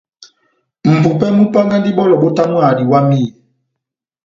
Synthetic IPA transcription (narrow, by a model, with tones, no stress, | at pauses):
m̩˨bu˨pɛ˦mu˦pa˦ŋɡa˦ndi˦ɓɔ˦lɔ˨ɓo˦ta˦mwa˨di˨wa˦mi˦˨